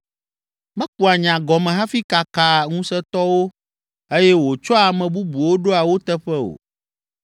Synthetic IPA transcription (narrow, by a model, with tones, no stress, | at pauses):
mɛ̃˦k͡pu˨a˨ɲã˨ɡɔ˨mɛ̃˨ɦã˦fi˦ka˨ka˨ŋũ˦sɛ˦t̪ɔ˦wo˦ | e˦jɛ˦wo˨t͡ʃɔ˦a˨mɛ̃˨bu˦bu˨wo˦ɖo˦a˨wo˦t̪ɛ˦ɸɛ˦o̰˨